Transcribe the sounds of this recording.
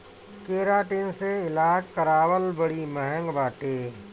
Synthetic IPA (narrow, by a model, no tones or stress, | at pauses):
keːɾaːʈinseɪlaːd͡ʒkəɾaːwəlbəɽimɛɦə̃ŋɡbaːʈeː